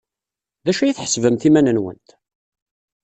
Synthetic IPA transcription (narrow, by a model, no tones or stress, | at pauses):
ðæʃæjiθħə̥svəmθimænənwə̰nt̪